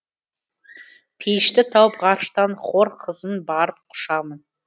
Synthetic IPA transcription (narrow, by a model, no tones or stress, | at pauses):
pʰejɪʃt̪ɪt̪ʰɑwəpʁɑɾʃt̪ɑnχo̞ɾqʰəzənbɑɾəp̚qʰʊ̥ʃɑmən